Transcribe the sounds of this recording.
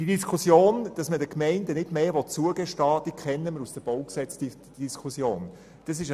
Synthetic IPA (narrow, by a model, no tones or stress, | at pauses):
d̥idiskχusjoːnd̥ɑsmədəkmɛɪndənɪdmeːʋɔtt͡suəɡɛʃtɑːd̥iːkʰχɛnːəməɾusd̥əb̥ɔʊksɛt͡sd̥i | d̥iskʰusjoːn | d̥ɑs̬ɪʃ